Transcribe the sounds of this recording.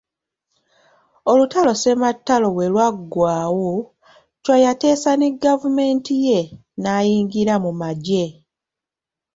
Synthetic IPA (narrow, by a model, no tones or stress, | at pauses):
olutalo̞se̞matːalo̞βwe̞lwaɡːwaːwo | cwajate̞ːsaneɡavume̞ːntije̞ | naːjiːŋɡiɾamumaɟe̞